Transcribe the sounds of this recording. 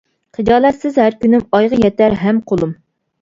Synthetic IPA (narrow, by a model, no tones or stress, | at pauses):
qʰɨd͡ʒɑːlˠɛt̪sɪzhæɾkʲynymɑjʁəjɛt̪æɾɦɛmqʰolˠum